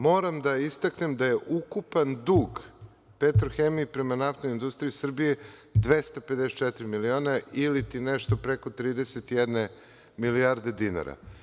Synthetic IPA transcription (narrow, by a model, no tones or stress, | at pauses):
mo̞ɾamd̪aist̪akne̞md̪aje̞ʔukupand̪uːɡ | pet̪ɾoxemiːpɾe̞manaft̪oind̪ust̪ɾiisr̩bijed̪ʋest̪aped̪ɛset̪̚t͡ʃɛt̪iɾimilioːnailit̪inɛʃt̪o̞pɾeko̞t̪ɾiːd̪eset̪ijɛd̪ne̞ | miliaɾd̪e̞d̪ina̰ɾa̰